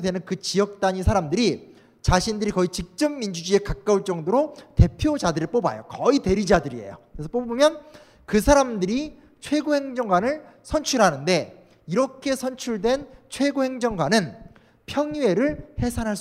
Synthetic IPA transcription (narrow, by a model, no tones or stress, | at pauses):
dwenɯnkɯt͡ɕijʌk̚t͈aɲisʰaɾamdɯɾi | t͡ɕaɕʰindɯɾikʌit͡ɕik̚t͡ɕ͈ʌmːind͡ʑud͡ʑie̞kak̚k͈auɭt͡ɕ͈ʌŋdoɾote̞pʰjod͡ʑadɯɾip͈oba̰jo̰kʌite̞ɾid͡ʑadɯɾiḛjokkɾesʰʌp͈obbɯmjʌn | kɯsʰaɾamdɯɾi | t͡ɕʰwe̞ɡohe̞ŋd͡ʑʌŋɡwanɯɭsʰʌnt͡ɕʰuɾɦanɯnde̞ | iɾʌkʰe̞sʰʌnt͡ɕʰuɭdwe̞nt͡ɕʰweɡohe̞ŋd͡ʑʌŋɡwanɯn | pʰjʌŋie̞ɾɯɭhe̞sʰanɦaɭs͈